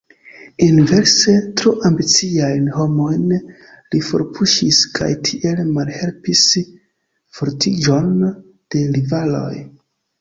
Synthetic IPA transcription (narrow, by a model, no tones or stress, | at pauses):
inve̞ɾse̞tɾuʔambit͡siajnho̞mo̞jn | lifo̰ɾpʰuʃiskʰa̰jtʰiʔe̞lmalhe̞lpis | foɾtʰid͡ʒo̞n | d̥e̞ɾivalo̞̰j